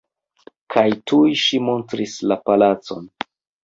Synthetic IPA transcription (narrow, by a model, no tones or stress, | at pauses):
kʰajtʰujʃimo̞ntɾislapalat͡so̞̰n